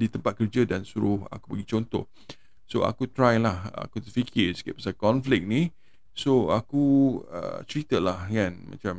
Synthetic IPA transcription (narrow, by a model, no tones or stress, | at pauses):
dit̪əmpat̪̚kərd͡ʒədansuɾʊha̰ku̥pəɡit͡ʃont̪ɔ̰h | soa̰kut̪ɾajlaha̰kut̪əfikʰiskeʔpəsakɔnflɪk̚ni | soakuə̰t͡ʃɾit̪əlahŋãnma̰t͡ʃam